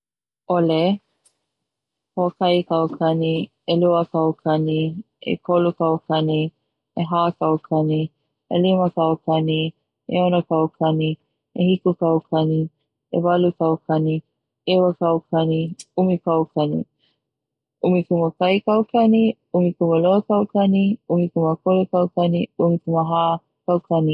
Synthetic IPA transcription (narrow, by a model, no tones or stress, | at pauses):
ole | hokɐjkɐwkʰɐni | eluəkɐwkʰɐni | ḛkʰolukɐwkɐni | eɦaːkɐwkʰɐni | ḛlimɐkɐwkɐni | ḛonɐkɐwkʰɐni | ehikukɐwkʰɐni | ḛvɐlukɐwkʰɐni | ewəkɐwkʰɐniumikɐwkʰɐnḭ | umikuməkɐjkɐwkɐni | umikuməlokɐwkɐniumikuməkolukɐwkɐniumikuməɦaː | kɐwkɐni